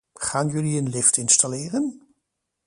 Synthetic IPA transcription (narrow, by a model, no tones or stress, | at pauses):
χaːnjɵliənlɪftɪnstalɪːrən